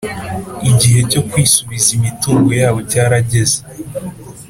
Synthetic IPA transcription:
iɟiɦe̞co̞kwiːsuβizimituːŋɡo̞jaːβo̞caːɾaɟe̞ze

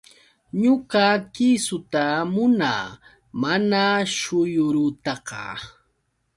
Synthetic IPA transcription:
ɲʊkakɪsʊt̪amʊnaː | manaʃʊjʊɾʊt̪ɑqɑ̰

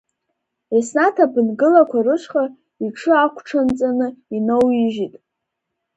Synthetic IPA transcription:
esnatʰabɨnɡɨlakʷʰarɨʃʷχʼa | iʈ͡ʂʰɨakʷʰʈ͡ʂʰant͡sʼanɨinowiʒitʼ

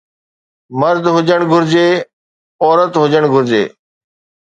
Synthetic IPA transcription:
məɾd̪ʱɦʊd͡ʒəɽ̃ɡʱʊɾd͡ʑeː | ɔːɾət̪ɦʊd͡ʒəɽ̃ɡʱʊɾd͡ʑḛː

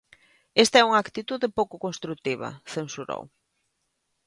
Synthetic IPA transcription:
est̪aɛuŋakt̪it̪uðɪpowkʊkonst̪ɾuk̚t̪iβ̞ɐ̰θensuɾo̰w

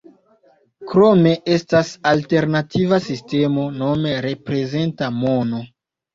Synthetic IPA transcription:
kɾo̞me̞ʔe̞stasalte̞ɾnativasiste̞mo̞no̞me̞ɾe̞pɾe̞ze̞ntamo̞no̞

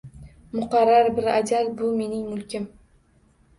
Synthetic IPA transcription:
mʊqɑɾːaɾbɪɾad͡ʒalbʊme̞nɪŋmʊlkʲʰɪm

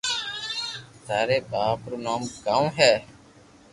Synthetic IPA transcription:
t̪aːɾeːbaːpɾoːnaːmkaːmɦɛː

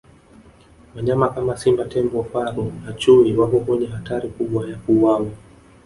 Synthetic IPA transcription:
waɲamakamasimbatɛmbɔfaɾunat͡ʃuiwakɔkɔɲɛhataɾikuɓwajakuwawa

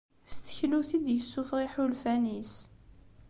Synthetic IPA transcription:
st̪ə̥çluθid̪jəsːufʁiħulfænis

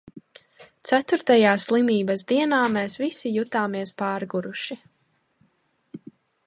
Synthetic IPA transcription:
t̪sæt̪uɾt̪ajaːslˠimiːbɐs̬d̪iɛnaːmeːsvisijut̪aːmiɛspaːɾɡuɾuʃi

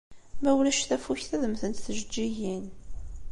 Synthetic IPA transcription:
mæwlæʃθæfuçθæðəmθənt̪θəʒəd͡ʒːiʝin

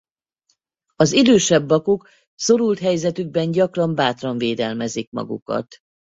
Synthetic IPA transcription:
ɒzid̪øːʃɛbːɒkuk | so̞ɾult̪ɦɛjzɛt̪yɡ̚bɛɲɟɒkrɒmbaːt̪rɒɱveːd̪ɛlmɛzikmɒ̰ɡṵkɒ̰t̪

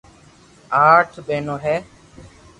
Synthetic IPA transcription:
aːʈʰɓeːnõːɦɛː

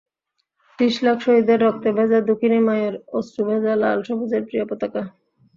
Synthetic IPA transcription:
t̪iʃlakʰʃoɦid̪eɾːɔk̚t̪ebʱɛd͡ʑad̪ukʰinimajoɾosʈubʱɛd͡ʑala̰lʃobud͡ʑeɾpɾijapot̪aka

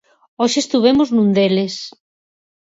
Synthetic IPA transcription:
oʃest̪uβ̞emoznũnd̪eles

